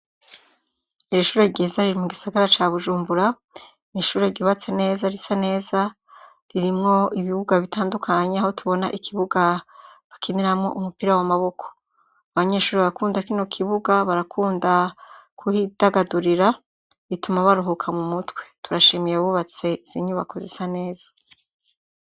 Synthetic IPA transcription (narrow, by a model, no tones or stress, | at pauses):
iɾiʃuːɾe̞ɾɟezaɾiɾimuɡisaɡaɾat͡ʃaβuʒuːmbuɾa | niʃuːɾe̞ɾɟuβat͡se̞ne̞ːzaɾisane̞ːza | ɾiɾimŋo̞iβiβuɡaβitaːndukʰaɲeaho̞tuβo̞na̰ʔikʰiβuɡaβakʰiniɾamŋo̞̰ʔumupiɾawamaβo̞kʰo̥ | aβaɲe̞ʃuːɾiβaakuːndakino̞kʰiβuɡaβaɾakʰuːndakʰuhidaɡaduɾiɾa | βitumaβaɾuɦukʰamumutwe̞̥tuɾaʃimijeβuβat͡se̞iz̥iɲuβako̞zisane̞ːz̥ḁ